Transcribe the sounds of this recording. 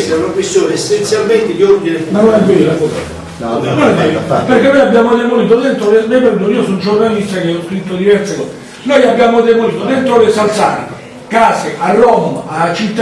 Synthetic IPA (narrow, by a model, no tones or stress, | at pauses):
st̪aunakwest̪joːneesːent̪sjalment̪ed̪iɔrd̪inemanonɛvːeakɔs | nonɛvːeɾapeɾrkenːojabːjaːmod̪emoniːt̪od̪ent̪ɾolemepɛɾd̪oniːosond͡ʒornalist̪akeɔskɾit̪ːod̪ivɛrt̪sekɔ̰ːse | nojabːjaːmod̪emoniːt̪od̪ent̪ɾolesalt̪sa̰ɾke | kaːseʔarːɔmat͡ʃit̪ːa